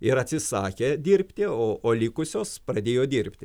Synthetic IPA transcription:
ɪɾɐt̪ʲsʲɪsɑːkʲeːd̪ʲɪɾʲpʲt̪ʲɪoːʔoːlʲikʊsʲoːsprɐd̪ʲeːjoːd̪ʲiɾʲpʲt̪ʲɪ

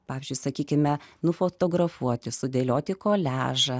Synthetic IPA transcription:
pɑːʋʲɪzʲd͡ʒʲʊɪsɐkʲiːkʲɪmʲɛnʊfoːt̪oːɡrɐfuɔt̪ʲɪsʊd̪ʲeːlʲoːt̪ʲɪkoːlʲæːʒɐ

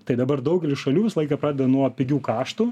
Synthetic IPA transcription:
t̪ɐɪd̪ɐbɐrd̪ɐʊɡʲɛlʲɪʃɐlʲuːʋʲɪsɐlˠɐɪkɑːpɾɑːd̪ʲɛd̪ɐnuɔpʲɪɡʲuːkɑːʃt̪ʊ

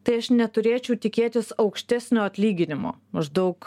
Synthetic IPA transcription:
t̪ɐɪɐʃnʲɛt̪ʊɾʲeːt͡ʃʲɛʊt̪ʲɪkʲeːt̪ʲɪsɐʊkʃʲt̪ʲæsʲnʲoːɐt̪ʲlʲiːɡʲɪnʲɪmo̰ːmɐʒd̪ɐʊk

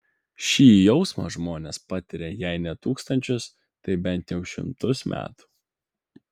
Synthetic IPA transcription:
ʃʲiːjɛʊsmɐ̰ʒmoːnʲespɑt̪ʲɪɾʲejɛɪnʲɛt̪uːkst̪ɐnʲt͡ʃʲʊs | t̪ɐɪbʲɛnʲˑt̪jɛʊʃʲɪ̰mt̪ʊsmʲʔæ̰ːt̪u̥

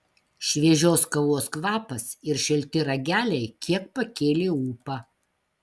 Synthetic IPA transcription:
ʃʲʋʲiɛʒʲoːskɐʋoɔskʋɑːpɐsɪɾʃʲɛlʲt̪ʲɪɾɐɡʲæːlʲɛɪkʲiɛk̚pɐkʲeːlʲeːuːpɑː

